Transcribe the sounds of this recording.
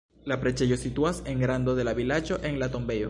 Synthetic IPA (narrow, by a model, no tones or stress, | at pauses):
lapɾet͡ʃeʝosit̪uaseŋɡɾand̪oðelaβilat͡ʃoʔeŋlat̪ombejo